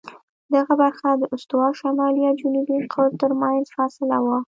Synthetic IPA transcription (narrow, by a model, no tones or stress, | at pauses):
d̪aɣabaɾxad̪əʔʊst̪wɑʃamɑlijɑd͡ʒunubiqʰaɾt̪əɾmannzfɑsɪlawa